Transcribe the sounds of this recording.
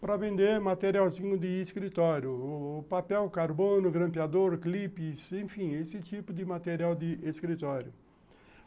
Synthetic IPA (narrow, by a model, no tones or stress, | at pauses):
pɾɐvẽnd̪eɾmat̪eɾiawzĩɲʊd̪ɪːskɾit̪ɔɾjʊpapɛwkaɾbõnʊɡɾɐ̃mpjad̪oɾklipɪsẽfĩesɪt̪ipʊd̪ɪmat̪eɾiawd̪ɪʔeskɾit̪ɔɾjʊ